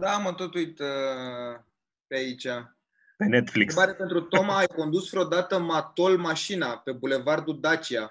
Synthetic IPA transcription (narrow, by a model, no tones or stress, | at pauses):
d̪amət̪ot̪uit̪ | peait͡ʃa | penet̪flikbaɾepent̪ɾut̪o̞maːjko̞nd̪usfɾeod̪at̪əmat̪o̞lmaʃinape̞bule̞vard̪ud̪at͡ʃia